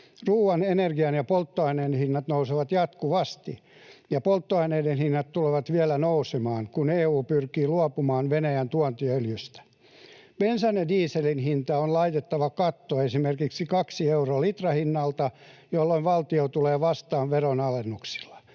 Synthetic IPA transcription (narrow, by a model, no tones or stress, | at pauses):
ruːʋɑnenerɡiɑnjɑpolt̪ːoɑineːnhinːɑt̪nouseʋɑt̪jɑt̪kuʋɑst̪ḭ | jɑpolt̪ːoɑineidenhinːɑt̪t̪uleʋɑt̪ʋiælænousemɑːŋkuneːuːpyrkiːluopumɑːnʋenæjænt̪uɔnt̪iøljyst̪æ̥ | b̥ensɑnediːselinhint̪ɑonlɑit̪et̪ːɑʋɑkɑt̪ːoesimerkiksikɑksieuroːlit̪rɑhinːɑlt̪ɑjolːoinʋɑlt̪iot̪uleːʋɑst̪ɑːʋʋeronɑlenːuksi̥lːɑ̥